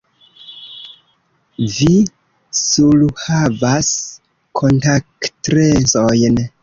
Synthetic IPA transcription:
vi | suluhavas | kʰo̞ntaktɾesojn

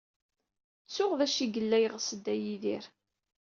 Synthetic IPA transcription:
t͡sːʊʁðæʃiɡəlːæjʁsəd̪ːæjiðiɾ

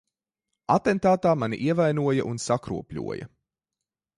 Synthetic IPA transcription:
at̪ɛnt̪aːt̪aːmanḭʔiɛvajnuɔjɐʔunsakɾṵɔpʎʲṵɔjɐ̰

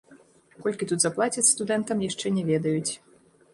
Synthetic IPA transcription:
kɔlʲkʲit̪ut̪zaplˠat͡sʲɐt̪st̪ud̪ɛnt̪ɐmjaʂt͡ʂɛnʲɛvʲɛd̪ɐjut͡sʲ

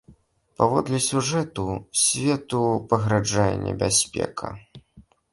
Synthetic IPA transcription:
pavɔd̪lʲɛsʲuʐɛt̪usʲvʲɛt̪upɐɣɾad͡ʐajɛ̰nʲɛ̰bʲasʲpʲɛ̰kʰɐ̰

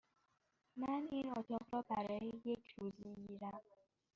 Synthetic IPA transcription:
naninɔtɔpɾɔpaɾɛjet͡ʃʰuziiɾa

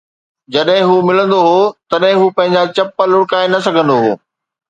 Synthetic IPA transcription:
d͡ʑɐɗɦɪ̃ɦuːmɪlə̃nd̪oɦoːt̪ɐɗɦɪ̃ɦuːpɐ̃ɦɪ̃ɲd͡ʑat͡ɕɐpːəlʊɽkaːenɐsɐɡʱə̃nd̪oɦo̰ː

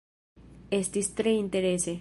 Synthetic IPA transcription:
est̪ist̪ɾeint̪eɾese

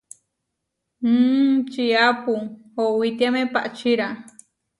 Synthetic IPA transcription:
t͡ʃiapuhowit̪iamẽpaʔt͡ʃiɾa

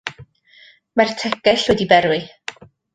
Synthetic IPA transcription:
martʰɛkɛɬwɛdibɛɾwɨ

